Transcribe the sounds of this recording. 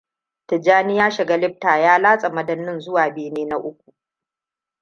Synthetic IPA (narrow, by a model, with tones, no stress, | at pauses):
tɪ˨d͡ʒaː˦nɪ˦jaː˦ʃɪ˨ɡa˦lɪ˦ɸ̚taː˨jaː˦laː˦sʼɐ˨mɐ˦dɐ˦nːɪ˦nzʊ˦waː˨beː˨neː˦na˦ʔʊ˦kʷu̥˨